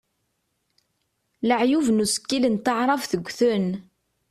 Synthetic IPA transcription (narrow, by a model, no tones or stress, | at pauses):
ləʕjuvnusə̥kːilənt̪əʕɾˤɑvθəɡʷːθʊn